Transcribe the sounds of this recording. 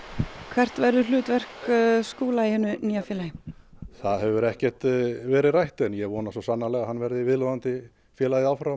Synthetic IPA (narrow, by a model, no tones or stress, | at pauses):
kʰvɛr̥t̪vɛɾðʏlʏːt̪vɛr̥kskuːlaihɛnːʏniːjafɛːlajɪθaðɦɛvʏɾɛhcɛr̥t̪vɛːɾɪðrajht̪ɛnjɛɣvɔːnasɔsanːalɛɣahanːvɛɾðɪvɪðlɔðant̪ɪ | fjɛːlaðɪawfɾaw